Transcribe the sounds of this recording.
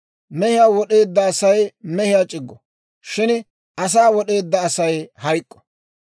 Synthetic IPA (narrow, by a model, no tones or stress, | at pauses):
mɛhɪjaːwɔɗe̞ːd̪ːɐːsɐjmɛhɪjaːt͡ʃʼɪɡːɔ | ʃɪn | ɐs̬aːwɔɗe̞ːd̪ːɐːsɐjhɐjkʼːɔ̥